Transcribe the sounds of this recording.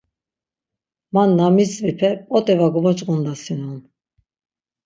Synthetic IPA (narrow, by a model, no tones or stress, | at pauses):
manːamisvipʰɛpʼɔt̪ʼɛvaɡɔvɔt͡ʃʼɣund̪asinun